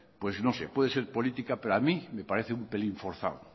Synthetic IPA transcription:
pwe̞znosepweðese̞ɾpo̞lit̪ikapeɾamime̞paɾeθeumpe̞liɱfoɾθa̰w

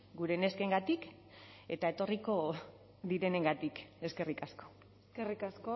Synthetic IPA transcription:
ɡuɾe̞ne̞ske̞ŋɡat̪ik | e̞t̪ae̞t̪o̞riko̞ | ðiɾe̞ne̞ŋɡat̪ike̞ske̞rikasko̞̥ | skerikasko

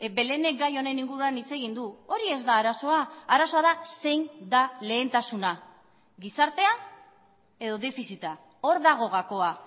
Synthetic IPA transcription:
be̞le̞ne̞k̚ɡajo̞ne̞niŋɡuɾuanit͡se̞ɣ̞ind̪uo̞ɾie̞zd̪aːɾaso̞aːɾaso̞aðase̞jnd̪ale̞ːnt̪asuna | ɣisaɾt̪e̞a | e̞ðo̞ðe̞fisit̪a | o̞ɾðaɣ̞o̞ɣako̞a

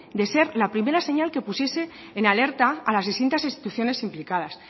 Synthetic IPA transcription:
d̪e̞se̞ɾlapɾime̞ɾase̞ɲalke̞pusje̞se̞ː | nale̞ɾt̪aːlazðist̪int̪asinst̪i̥t̪uθjo̞ne̞simplikað̞as

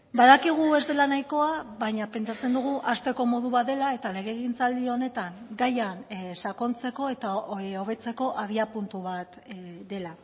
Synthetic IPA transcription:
bað̞akiɣ̞ue̞zd̪e̞lanajko̞aβaɲape̞nt͡ʃat͡se̞nd̪uɣ̞uʔast̪e̞ko̞mo̞ðuβat̪d̪e̞lae̞t̪ale̞ɣ̞e̞ɣint͡sald̪io̞ne̞t̪aŋɡajansako̞nt͡se̞ko̞e̞t̪ao̞β̞e̞t͡se̞ko̞ʔaβiapunt̪uβat̪d̪e̞la

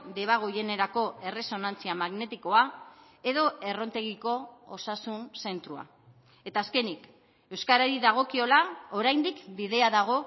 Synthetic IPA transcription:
d̪e̞β̞aɣ̞o̞je̞neɾako̞e̞re̞so̞nant͡siamaɣne̞t̪iko̞a | e̞ðo̞e̞ro̞nt̪e̞ɣiko̞osasunse̞nt̪ɾua̰ | e̞t̪aːske̞nik | e̞wskaɾaɾiðaɣ̞o̞kio̞lao̞ɾajnd̪ikbið̞e̞aðaɣ̞o̞

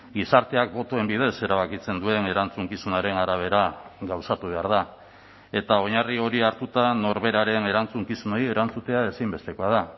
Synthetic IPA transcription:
ɡisaɾt̪e̞ak̚bo̞t̪o̞e̞mbið̞e̞se̞ɾaβ̞akit͡se̞nd̪ue̞ne̞ɾant͡suŋkisunaɾe̞naɾaβ̞e̞ɾaɡawsat̪uβ̞e̞aɾð̞a | e̞t̪ao̞ɲario̞ɾiaɾt̪ut̪ano̞ɾβe̞ɾaɾe̞ne̞ɾant͡suŋkisuno̞je̞ɾant͡sut̪e̞ae̞simbe̞st̪e̞ko̞aða

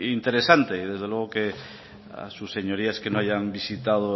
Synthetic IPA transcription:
int̪eɾesant̪eiðezð̞elweɣ̞oke | a̰susːeɲoɾiaskenoajambisit̪aðo

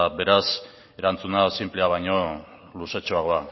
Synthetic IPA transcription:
be̞ɾas | e̞ɾant͡sunasimpleaβajɲo̞ | luset͡ʃoaɣ̞o̞a

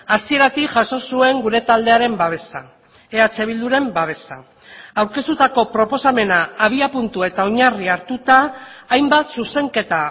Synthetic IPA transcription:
asie̞ɾat̪ikʝaso̞sue̞ŋɡuɾe̞t̪ald̪e̞aɾe̞mbaβ̞e̞sa | eat͡se̞β̞ild̪uɾe̞mbaβe̞sa̰ | awɾke̞st̪ut̪ako̞pɾo̞po̞same̞naːβ̞iapunt̪ue̞t̪ao̞ɲariaɾt̪ut̪aːjmbat̪suse̞ŋke̞t̪a

